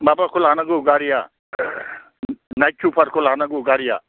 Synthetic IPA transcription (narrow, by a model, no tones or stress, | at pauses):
babakʰʊlɦanaɡuɡaɾija | najt͡ʃʰupʰaɾkʰolɦanaɡuɡaɾija̰